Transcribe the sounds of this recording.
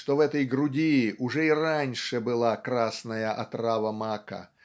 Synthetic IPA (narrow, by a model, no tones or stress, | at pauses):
ʂt̪ovɛt̪əjɡɾʊdʲiːʔʊʐɛɪranʲʂɨbɨlˠakɾasnəjəʔɐt̪ravəmakə̰